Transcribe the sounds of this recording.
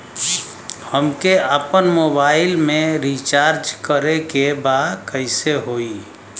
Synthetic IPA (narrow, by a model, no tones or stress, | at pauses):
həmkeʔəpənmoːbaːɪlmẽɾit͡ʃaːɾd͡ʒkəɾekebaːd̪kəɪseɦoːiː